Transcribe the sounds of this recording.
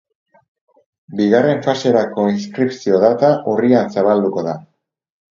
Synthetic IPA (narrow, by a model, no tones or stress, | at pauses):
biɣare̞ɱfase̞ɾako̞inskɾipsio̞ðat̪aʔuriansaβ̞ald̪uko̞ða